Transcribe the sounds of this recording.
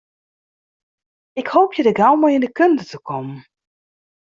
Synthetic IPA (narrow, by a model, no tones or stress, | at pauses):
ɪkhoːpʰjədəɡawmɔjɪndəkøntətəkʰɔmən